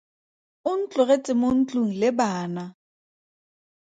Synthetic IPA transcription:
ʊn̩t͡ɬʼʊret͡sʼɪmon̩t͡ɬʼuŋ̩lɪbaːna

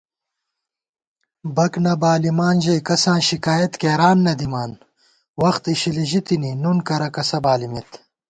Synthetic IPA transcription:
bɐknɐbaːlimaːnʑɐjkɐsãːɕikaːjɐt̪keːɾaːnːɐd̪imaːn | wɐxt̪iɕiliʑit̪ininunkɐɾɐkɐsɐbaːlimit̪

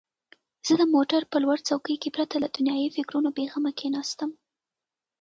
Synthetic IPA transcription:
z̥əd̪əmoʈaɾpəlwaɾt͡sawkəjkepɾat̪aəd̪ʊnjɑjifɪkɾunobeɣamakʰenɑst̪əm

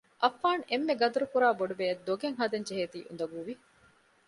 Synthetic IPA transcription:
ʔɐfːaːnemːeɡɐd̪uɾukuɾaːboɖubejɐd̪d̪ːoɡeŋɦɐd̪eɲd͡ʒeɦeːt̪ḭːʔṵnd̪ɐɡuʋi

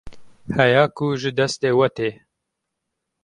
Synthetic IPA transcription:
hɛjaːkuʒɨd̪ɛst̪eːwɐt̪eː

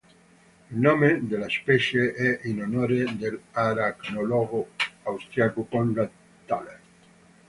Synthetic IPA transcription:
ilnomed̪elaspɛʃeɛʔinonoɾed̪elaɾaknolɔɣoawst̪ɾiakukonda | t̪ale

